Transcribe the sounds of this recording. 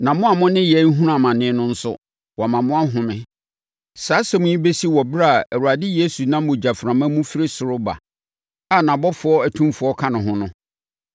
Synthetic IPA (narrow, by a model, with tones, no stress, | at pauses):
nã˨mʊ̃˦a˨mʊ̃˦nɪ̃˦jɛ˨˦ŋ̩˦ɦũ˦ɾã˨mã˨nɪ̃ː˦nʊ̃˦n̩˦sʊ̰˦ | wɔ˨mã˨mʊ̃˦a˦ɦʊ̃˨mɪ̃˦ | saː˨˦sɛ˨mʊ̃˨ɲĩ˦be˦si˦wɔ˨bɾa˦˨æ˨wu˨a˨dɪ˦je˦su˨nã˦m˦mʊ̃˨d͡ʑa˨fɾã˨mã˦mũ˦fi˦ɾɪ˦sʊ˨ɾʊ˦ba̰˨ | a˨nã˨bɔ˦fʊ˨˦ɔ˦æ˨tʰũ˦mfʊ˨ɔ˦kʰa˦nʊ̃˨ɦʊ̃˦nʊ̃˦